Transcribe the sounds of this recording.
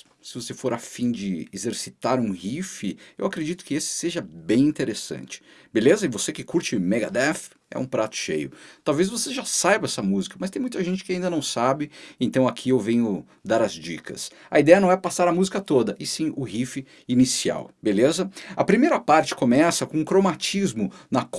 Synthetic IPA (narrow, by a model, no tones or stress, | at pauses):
sɪvosefoɾafĩd͡ʒɪezeɾsit̪aɾũhifɪewakɾed͡ʒit̪ʊ̥kɪesɪ̥seʒɐbẽj̃ĩnt̪eɾesɐ̰̃nt͡ʃɪ̥belezɐɪvosekɪkuɾt͡ʃɪmɛɡad̪ɛf | ɛ̰ũpɾat̪ʊ̥ʃḛjʊ̰t̪awvezvoseʒasajbɐɛsɐmuzikɐmɐst̪ẽj̃mũj̃t̪ɐʒẽnt͡ʃɪ̥kɪaĩnd̪ɐnɐ̃w̃sabɪẽnt̪ɐ̃w̃akʰiewvẽɲʊ | d̪aɾɐzd͡ʒḭkʰɐ̰s | ɐid̪ɛjɐnɐ̃w̃ɛpasaɾɐmuzikɐt̪od̪ɐʔɪsĩʊhifɪ | inisia̰wbelezɐɐpɾimejɾɐpaɾt͡ʃɪ̥komɛsɐkõũkɾomat͡ʃizmʊnɐk